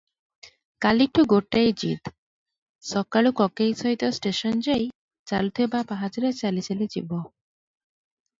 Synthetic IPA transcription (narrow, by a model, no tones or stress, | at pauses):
kalek̚ʈʰuɡoʈːajd͡ʑḭd̪ | sɔkaɭukɔkejsɔɦit̪ɔsʈeʃɔnd͡ʑej | t͡ɕalut̪ʰebapaɦad͡ʑiɾet͡ɕalit͡ɕʰeled͡ʑḭbɔ